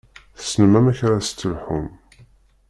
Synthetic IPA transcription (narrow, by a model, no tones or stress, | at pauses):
θsənəmæmæçɾast͡s̪ːəlħʊm